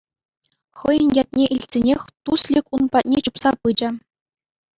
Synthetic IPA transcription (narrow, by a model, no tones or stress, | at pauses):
χɤ̆jə̆nʲjɑt̪̚ʲnʲeʔilʲsʲenʲexʲt̪uslʲikʲunpɑt̪̚ʲnʲet͡ɕupsɑpɯd͡ʑɘ̆